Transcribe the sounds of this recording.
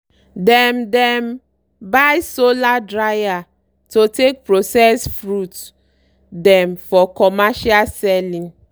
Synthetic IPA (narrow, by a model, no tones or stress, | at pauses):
dɛmdɛ̃m | bajsoladɹaja | totek̚pɹosɛsfɹut | dɛ̃mfɔkɔmaʃasɛlĩŋ